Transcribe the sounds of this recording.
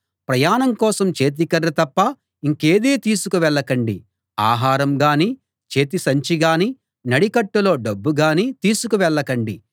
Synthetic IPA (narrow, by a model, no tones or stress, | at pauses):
pɾɐjaːnɐmkɔːsɐmt͡ʃe̞ːt̪̬ikɐɾːɐt̪ɐpːɐ | iŋke̞ːd̪eːt̪iːsukuʋɛɭːɐkɐɳɖi | a̰ːɦaːɾɐmɡaːni | t͡ʃe̞ːt̪isɐɲt͡ʃiɡaːni | nɐɽikɐʈːulo̞ːɖɐbːuɡaːnit̪iːsukuʋɛɭːɐkɐɳɖi